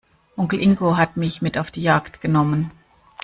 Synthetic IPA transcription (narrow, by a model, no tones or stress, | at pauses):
ʔʊŋkl̩ʔɪŋkoɦatmɪçmɪtaʊfd̥iːjaɐktɡ̥ənɔmən